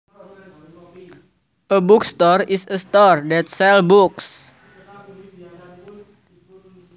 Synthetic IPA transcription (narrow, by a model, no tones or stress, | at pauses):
ʔəbukst̪ɔrisəst̪ɔrdɛt̪̚sɛlbuks